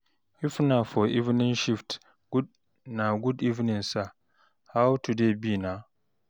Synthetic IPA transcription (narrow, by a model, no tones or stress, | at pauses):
wifnafɔivnĩnʃift | ɡ̥ud̚ | naɡudivnĩnsa | hawtudebinã